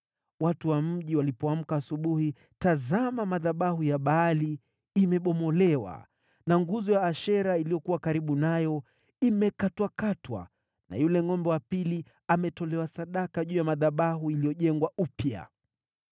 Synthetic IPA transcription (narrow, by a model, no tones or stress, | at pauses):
watuwam̩ʄiwalipɔam̩kaːsuɓuhi | tazamamaðaɓahujaɓaːli | imɛɓɔmɔlɛwa̰ | naŋɡuzɔjaːʃɛɾailijɔkuwakaɾiɓunajɔ | imɛkatwakatwa̰ | na̰julɛŋɔmbɛwapili | amɛtɔlɛwasaɗakaʄuːjamaðaɓaɦuilijɔʄɛŋɡwaupja̰